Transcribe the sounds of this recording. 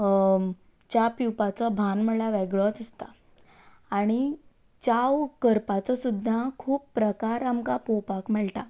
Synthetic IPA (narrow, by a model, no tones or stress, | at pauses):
t͡ɕapiwpat͡sɔbʱanməɭaʋɛɡɭɔt͡səst̪a | aɽ̃i | t͡ɕawkəɾpat͡sɔsud̪ʱːakʰuːpːɾəkaɾamkapopakməɭʈ̪a